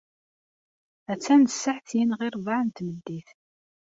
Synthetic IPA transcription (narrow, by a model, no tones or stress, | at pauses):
æt͡sːænəsːəħθjinʁɪɾˤvaʕnt̪məd̪ːiθ